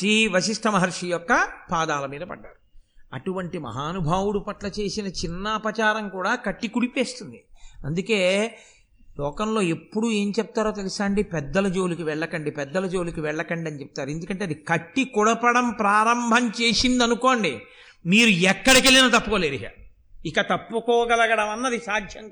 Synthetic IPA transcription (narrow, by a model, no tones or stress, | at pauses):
sɾiːʋɐsiʂʈʰɐmɐɦɐɾʂijɔkːɐpaːd̪aːlɐmiːd̪ɐpɐ̰ɖːaːɾuɐʈuʋɐɳʈimɐ̰ɦaːnubʱaːwuɽupɐʈlɐt͡ʃe̞ːsinɐt͡ʃinːɐpɾɐt͡ʃaːɾɐŋkuːɽaːkɐʈːikuɽipe̞ːst̪und̪iɐnd̪uke̞ː | lɔːkɐmlo̞ːe̞pːuɽue̞ːɲt͡ʃɛp̚t̪aːɾoːt̪̬e̞lisaːɳɖipɛd̪ːɐlɐd͡ʒo̞ːlukiʋɛɭːɐkɐɳɖipɛd̪ːɐlɐd͡ʒo̞ːlukiʋɛɭːɐkɐɳɖiɐnit͡ʃɛp̚t̪aːɾuend̪ukɐɳʈe̞ːɐd̪ikɐʈːikuɽɐpɐɽɐmpɾaːɾɐmbʱɐmt͡ʃe̞ːsind̪ɐnuko̞ːɳɖi | miːɾuɛkːɐɽɐkelinɐt̪ɐpːukoːleːɾiɦa̰ | ikɐt̪ɐpːukɔːɡɐlɐɡɐɽɐmɐnːɐd̪isaːd̪ʱjɐŋ